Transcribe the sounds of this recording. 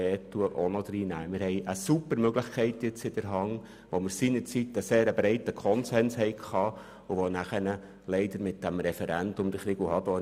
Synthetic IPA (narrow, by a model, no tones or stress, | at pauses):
ɛːtuəʔɔnɔd̥̪ɾiːnæ̰ːmɪɾhɛɪʔəsupəɾmøɡləχkʰɛɪtjɪt͡sɪd̥əɾɦɑŋ | ʋoməɾsiːnəɾt͡sitəseːɾəbɾɛɪtəkʰɔnsɛnshɛɪkʰχɑː | uʋonæχənə | lɛɪd̪əɾmɪt̚d̥æmɾɛfɛɾændʊmd̥̪əχɾɪɡuhɑdɔː